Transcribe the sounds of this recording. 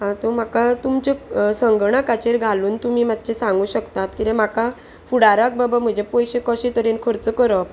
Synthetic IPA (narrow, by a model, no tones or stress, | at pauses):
ɦãt̪om̤akat̪umt͡ɕesəŋɡɳakat͡ɕeɾɡʱaluːnt̪umiːmat̪̚t͡ɕesãŋɡuːɕəkt̪at̪kit̪ẽm̤aka | fuɽaɾak̚babam̤əd͡ʑʱepɔjɕekɔɕet̪əɾenkʰəɾt͡səkəɾəp